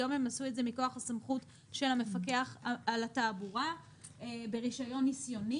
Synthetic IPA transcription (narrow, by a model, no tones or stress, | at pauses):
ome̞masue̞tze̞miko̞aχasamχut | ʃe̞lhame̞fake̞aχalataːbuʁa | ebeʁiʃajo̞nːisjo̞ni